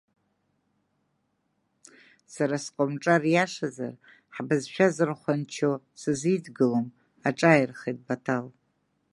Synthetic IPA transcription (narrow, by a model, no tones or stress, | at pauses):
saɾasqʼomʈ͡ʂʼarjaʂaza̰r | ħbɨzʃᶣazɨrχʷant͡ʃʰo | sɨzidɡɨlom | aʈ͡ʂʼajrχejt̚batʰal